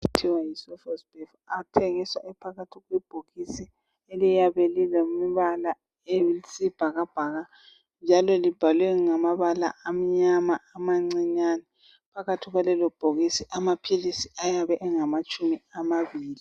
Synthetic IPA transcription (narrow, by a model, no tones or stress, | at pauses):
itʰiwajisɔfɛspef | atʰeŋiswa̰ʔɛpʰaɣatʰiɣwib̥ʱoɣisi | elijaβɛlilemiβala | esib̥ʱaɣab̥ʱaɣa | nd͡ʒʱalɔlib̥ʱalwɛŋamaβala̰ʔːm̩ɲamaamaŋ͡ǀiɲanɛ | pʰaɣatʰiɣwalɛlɔb̥ʱoɣisiʔamapʰilisiajaβɛʔɛŋamat͡ʃʼumiamaβiːli